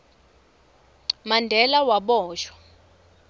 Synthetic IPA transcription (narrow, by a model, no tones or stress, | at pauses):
mandʱɛlawaɓɔːʃwḁ